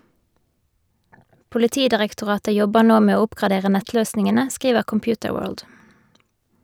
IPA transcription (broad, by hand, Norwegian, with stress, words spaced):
pʊlɪˈtiːdɪʁɛktʊˌʁɑːtə ˈjɔbəʁ ˈnoː ˈmeː ˈoː ˈʊpkʁɑˌdeːʁə ˈnɛtˌløːsnɪŋənə ˈskʁiːʋəʁ kɔmˈpjʉːtəˌwøːɹld